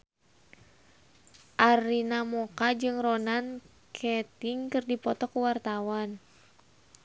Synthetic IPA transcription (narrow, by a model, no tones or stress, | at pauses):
ʔarinamɔkad͡ʒɨŋrɔnan | kʰɛt̪iŋkɨrdipɔt̪ɔkuwart̪awan